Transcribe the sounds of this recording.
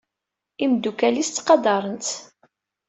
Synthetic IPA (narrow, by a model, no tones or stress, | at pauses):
imd̪ukælist̪ːqɑd̪ɑɾˤənt̪